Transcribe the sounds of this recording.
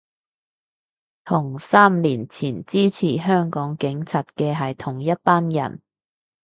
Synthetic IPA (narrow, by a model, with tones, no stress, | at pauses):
t̪ʰʊ˨˩ŋsaː˥mliː˨˩nt͡sʰiː˨˩nt͡siː˥t͡sʰiː˨˩ɦœː˥ŋkɔː˨˥ŋkɪ˨˥ŋt͡sʰaː˨t̚kɛː˧ɦɐ˨jt̪ʰʊ˨˩ŋjɐ˥t̚paː˥njɐ̰˨˩n